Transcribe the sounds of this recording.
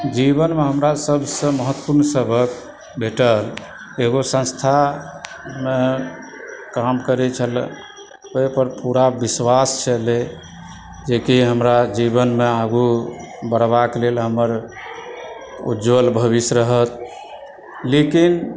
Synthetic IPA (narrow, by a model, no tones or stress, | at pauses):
d͡ʒiβənmeɦəmɾasəbʱsə̃məɦət̪ːpuɾnsəbʱək | bʱeʈəl | eɡosə̃nst̪ʰa | me | kamkəɾɛt͡ʃʰəl | oipəɾpuɾabiswast͡ʃʰəle | d͡ʒekiɦəmɾad͡ʒiβənmeaɡubəɾβaklelɦəməɾ | ṵd͡ʒwəlbʱəβisɾəɦət̪ | lekin